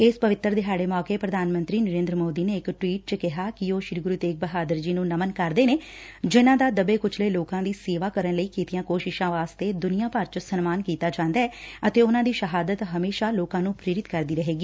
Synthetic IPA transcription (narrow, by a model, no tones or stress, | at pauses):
ɪspəʋɪt̪ːəɾd̪ɪɦaːɖeːmɔːkeːpɾəd̪aːnmə̃nt̪ɾiːnəɾẽːnd̪ɾəmoːd̪iːneːɪkʈwiːʈ̚t͡ʃəkɪɦaːkɪoːʃɪɾɡɾuːt̪eːk̚bəɦaːd̪əɾd͡ʒiːnũːnəmənkəɾd̪eːneː | d͡ʒɪnãːd̪aːd̪əbeːkʊt͡ʃʰleːloːkãːd̪iːseːʋaːkəɾənləiːkiːt̪ijãːkoːʃɪʃãːʋaːst̪eːd̪ʊnijãːpəɾt͡ʃsənmaːnkiːt̪aːd͡ʒãːnd̪aːɛːət̪eːʊnãːd̪iːʃəɦaːd̪ət̪ɦəmeːʃaːloːkãːnũːpɾeːɾɪt̪kəɾd̪iːɾəɦeːɡiː